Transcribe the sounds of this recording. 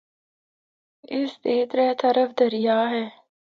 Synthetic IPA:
ɪsd̪eːt̪ɾɛːt̪ɐɾəfd̪ɐɾijaːɦɛː

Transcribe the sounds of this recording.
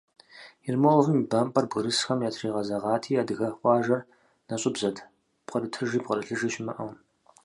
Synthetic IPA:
ɪrmolvɨmibɐmpʼɐrbɣɨɾɨsxɐmjaːtʰriːʁɐzɐʁɑːtʰiːadɨɣɐχʷɑːʒɐr | nɐɕʼɪbzɐdʰ | pqɐrɨtʰɨʒiːpqɐrɨɬɨʒiːʃɪmɐʔɐw

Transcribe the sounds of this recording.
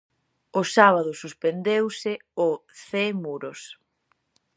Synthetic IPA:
ʊsaβ̞aðʊsuspend̪ewsɪʊθemuɾʊs

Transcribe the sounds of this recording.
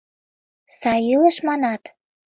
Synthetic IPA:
sɑjiləʃmɑnɑt̪

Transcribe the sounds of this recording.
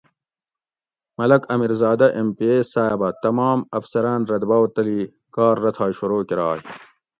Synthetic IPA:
mɐlɐkɐmiɾzɑːd̪ɐʔempieːsaːjbɐt̪ɐmɑːmɐfsɐɾaːnɾɐd̪bɐːwt̪ɐli | kɑːɾːɐt̪ʰaːɕuɾoːkiɾɑːɦi

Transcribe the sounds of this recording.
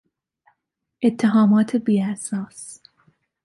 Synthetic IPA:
ʔet̪ʰːeɦɒːmɒːt̪ʰebiːæsɑːs

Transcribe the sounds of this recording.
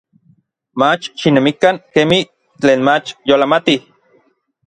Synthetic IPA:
mat͡ʃʃinemikaŋkemih | t͡ɬeːnmat͡ʃjolamat̪i

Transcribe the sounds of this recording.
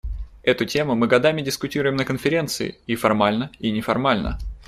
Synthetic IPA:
ɛt̪ʊtʲe̞mʊmɨɡɐd̪amʲɪdʲɪskʊtʲiɾʊjɪmnəkənfʲɪɾʲe̞nt̪sɨɪ̰ifɐrmalʲnəinʲɪfɐrmalʲnə̰

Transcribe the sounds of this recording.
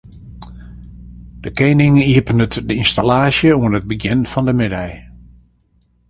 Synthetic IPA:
d̥əkeːnɪŋiəpənətdəinstalaːsjəuənət̚bəɡjɪnfɔndəmɪdɛj

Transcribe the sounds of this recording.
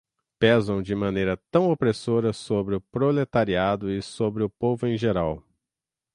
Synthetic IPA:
pɛzɐ̃w̃d͡ʒɪmɐ̃nejɾɐt̪ɐ̃w̃opɾesoɾɐsobɾɪʊpɾolet̪aɾiad̪ʊɪsobɾɪʊpovʊẽʒeɾaw

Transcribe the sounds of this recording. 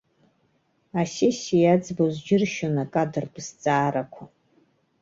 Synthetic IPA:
asesijad͡zbozd͡ʒɪrʃonakʼadɨrbɨst͡sʼaːɾakʷʰa

